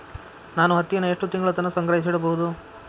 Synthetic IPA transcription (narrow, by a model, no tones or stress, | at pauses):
naːnuɦɐt̪ːijɐnːɐeʂʈut̪iŋɡɐɭɐt̪ɐnːɐsɐŋɡɾɐɦis̬iɽɐbɐɦud̪u